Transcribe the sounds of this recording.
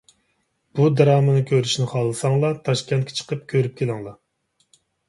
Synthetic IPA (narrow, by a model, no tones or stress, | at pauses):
b̥ud̪ɑɾɑːmɨnɨkʲʰøɾyʃnɪχɑlˠɨsɑŋlˠɑt̪ʰɑʃkʲɛnt̪kʰʲe̥t͡ʃʰə̥qʰəpkʲʰøɾyp̚kʰʲelˠɪŋlˠɑ